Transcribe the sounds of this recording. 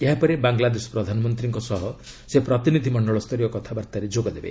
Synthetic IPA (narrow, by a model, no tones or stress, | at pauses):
eɦapɔɾebaŋɡlad̪esɔ̥pɾɔd̪ʱanɔmɔnt̪ɾiŋkɔsɔɦɔ | sepɾɔt̪inid̪ʱimɔɳɖɔɭɔst̪ʰɔɾijɔkɔt̪ʰabaɾt̪aɾed͡ʒoɡɔd̪ebḛ